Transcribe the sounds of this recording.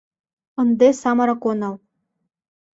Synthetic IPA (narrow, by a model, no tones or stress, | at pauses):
ɤ̆nd̪esɑmɑɾɑkonɑl